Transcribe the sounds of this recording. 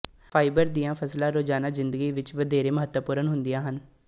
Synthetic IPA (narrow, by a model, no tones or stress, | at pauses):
fʰaːibəɾd̪ijãːpʰəslãːɾoːd͡ʒaːnaːzɪnd̪əɡiːʋɪt͡ʃʋəd̪eːɾeːməɦət̪wəpuːɾənɦʊnd̪ijãːɦən